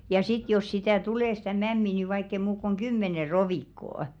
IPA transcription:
jɑ sit jos sitæˑ tuleˑ stæˑ mæmːi ni ʋɑikː ei muːk kuŋ ɡ̊ymːene roʋiˑkːoː

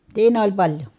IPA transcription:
siːn olʲ pɑlʲjo

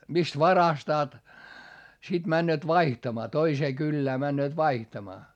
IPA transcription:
mist ʋɑrɑstɑːt sit mænːøːt ʋɑihtɑmɑː toiseː kylːæː mænːøːt ʋɑihtɑmɑː

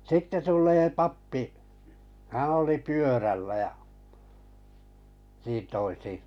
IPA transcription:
sitːe tulˑeː pɑpːi hæ̃ː oli pyørælːæ jɑ niːn toisi

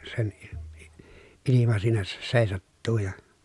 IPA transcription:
sen i i ilimɑ siːnæ se seˑisɑtːuː jɑ

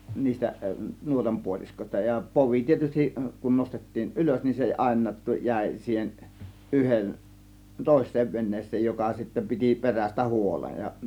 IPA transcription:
niːstæ nuotɑm puoliskosʲtɑ jɑ poʋi tietystiʔ kun nostetːiːn ʔyløs nin se ɑˑe̝nˑɑːt tu jæˑe̝ siːhen ʔyhen toˑe̝sˑeːʋ ʋenˑeːsˑeːj jokɑ sitːæ piti peræstæ huolej jɑ

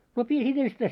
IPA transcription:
no piː sit enstæi

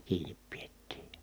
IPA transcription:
kiːnip pietːiː

